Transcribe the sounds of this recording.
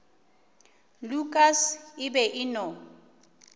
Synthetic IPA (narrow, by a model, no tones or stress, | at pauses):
lukʼasɪbɛʔɪnɔ